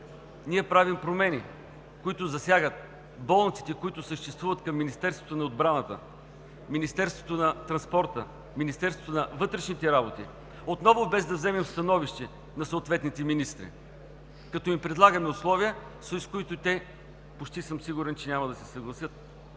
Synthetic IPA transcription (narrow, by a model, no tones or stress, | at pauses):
niɛpɾavimpɾomɛni | kʊit̪ʊzɐsʲjaɡət̪̚ | bɔlˠnt̪si̥t̪ɛkʊit̪ʊsəʃt̪ɛst̪vuvət̪kɐmːinist̪ɛɾst̪vo̥t̪oʊnɐod̪bɾanət̪ə̰ | minist̪ɛɾst̪vot̪onɐt̪ɾɐnspɔɾt̪ə | minist̪ɛɾst̪vot̪oʊnɐvɤt̪ɾɛʃnit̪ɛɾabot̪ḭ | ot̪nɔvʊbɛzd̪ɐvzɛmɛmst̪ɐnɔviʃt̪ɛ | nɐsot̪vɛt̪nit̪ɛminist̪ɾḭ | kɐt̪ɔimpɾɛd̪lˠaɡəmɛʊslˠɔviəsoiskʊit̪ʊt̪ɛ | pot͡ʃt̪isɤmsiɡʊɾɛnt͡ʃɛnʲamɐd̪ɐsɛsɐɡlˠɐsʲjɤt̪̚